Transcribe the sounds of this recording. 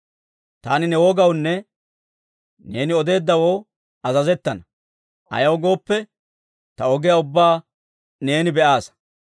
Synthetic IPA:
t̪aːnɪnɛwoɡɐwnːɛ | ne̞ːnɪɔd̪e̞ːd̪ːɐwoː | ɐzɐzɛt̪ːɐnɐ | ʔɐ̰jɐwɡo̞ːpːɛ | t̪ɐɔɡɪjaʊbːaː | ne̞ːnɪbɛʔaːs

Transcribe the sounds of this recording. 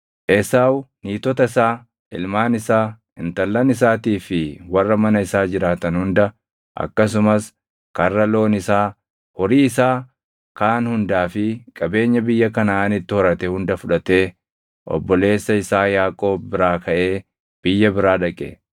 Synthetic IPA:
ʔesaːwniːt̪ɔt̪ɐɪsaː | ɪ̰lmaːnɪsaː | ɪnt̪ɐlːɐnɪs̬aːt̪iːfɪwɐrːɐmɐnɐɪsaːd͡ʒɪɾaːt̪ɐnhʊnd̪ɐ | ʔɐ̰kːɐs̬ʊmɐs | kɐrːɐlo̞ːnɪsaː | hɔɾiːɪsaː | kaːnhʊnd̪aːfɪkʼɐbe̞ːɲːɐbɪjːɐkɐnɐaːnɪt̪ːɪhɔɾɐt̪ɛhʊnd̪ɐfʊᶑɐt̪e̞ː | ʔɔ̰bːɔle̞ːsːɐɪsaːjaːkʼo̞ːbːɪɾaːkɐʔe̞ː | b̥ɪjːɐbɪɾaːᶑɐkʼɛ̰

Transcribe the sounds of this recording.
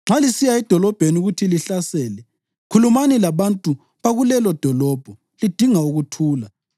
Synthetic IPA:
ŋ͡ǁʱalisijaɛd̥ʱɔlɔb̥ʱenuɣutʰiliɬasɛːlɛ | kʰulumanilaβantʼu | βaɣulɛlɔd̥ʱɔlɔb̥ʱɔ | lid̥ʱiŋauɣutʰuːla

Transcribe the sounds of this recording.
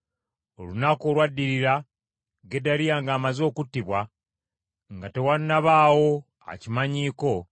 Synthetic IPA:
o̞lunako̞ːlwadːiɾiɾa | ɡe̞dalijaːŋɡaːmazo̞ːkutːiβwa | ŋɡate̞wannaβaːwo̞ | a̰cimaɲiːko̞

